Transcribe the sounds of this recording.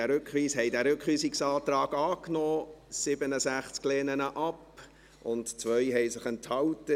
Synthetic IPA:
æɾʏkχʋiːshɛɪdæːɾʏkχʋiːsɪksɑːtɾɑːɡ̥ɑːknɔːsɪbənəsæχt͡skleːnənəʔɑp | ʔʊntt͡sʋœʏɦɛɪsɪχɛnthɑltə

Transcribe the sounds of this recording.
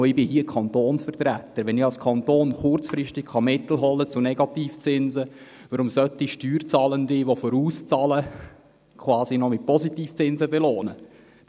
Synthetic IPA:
ɪbɪhiəkʰɑnt̪oːnsfəɾt̪ɾæt̪ːəɾʋɛnɪɑlskʰɑnt̪oːnχʊrɾt͡sfɾɪʃtɪkχɑmɪt̪l̩ɦɔlːət͡sʊnɛɡɑt̪iːft͡sɪnzə | ʋəɾʊmsœt̪ːiʃtyːɾt͡sɑːləndɪʋofɔɾuːst͡sɑːlə | kʰwɑːsinɔmɪt̚pɔsitiːft͡sɪnzəbɛloːnə̰

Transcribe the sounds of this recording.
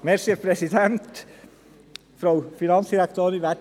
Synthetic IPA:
meɾseːɾpʰɾɛsɪd̪ɛnt̪ | fɾɑʊfɪnɑnsd̪ɪɾækt̪ʰøːɾʋæ

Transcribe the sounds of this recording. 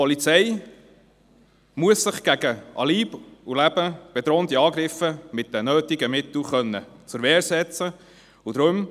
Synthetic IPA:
pɔlit͡sɛj | muəsːɪχɡ̥æɡəʔɑ̰liːbulæb̥əb̥ɛt̪ɾoːnt̪iɑːɡɾɪfəmɪt̚d̥̪ɛnøːt̪ɪɡəmɪt̪l̩χœnːə̰ | t͡sʊɾʋɛːɾsɛt͡sə | ud̪ɾʊm

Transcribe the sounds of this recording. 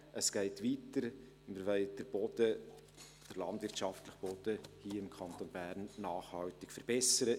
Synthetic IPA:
ʔəsɡ̥ɛɪtʋitəɾ | məɾʋɛɪd̥əɾb̥od̪ə | d̥əɾlɑndvɪɾtʃɑftləχb̥ɔd̥əhiːɪmkʰɑnt̪onbæːɾnːaːχhɑltɪkfəɾb̥ɛsəɾə

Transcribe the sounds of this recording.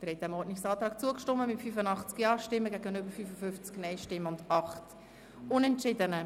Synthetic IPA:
d̪əɾhɛt̚d̥ɛmɔdnɪçsɑːt̪ɾɑːk̚t͡suəkʃtɔmːəmɪtfyfənɑχt͡skjɑːʃtɪmːəɡæɡənøbəɾfyfəfʏft͡sknɛɪʃtɪmːəʊndɑχt | ʊnɛntt͡ʃɪdənə

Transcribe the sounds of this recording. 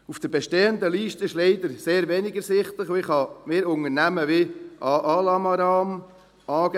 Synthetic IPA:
ufd̥əɾbeʃteːənd̪əliːʃtəɪʃlɛɪd̪əɾseːɾvɛnɪɡəɾsɪχtləχoɪχhɑmɪːɾʊŋəɾnæməʋɪʔɑʔɑlɑmɑɾɑːm | ɑːɡ

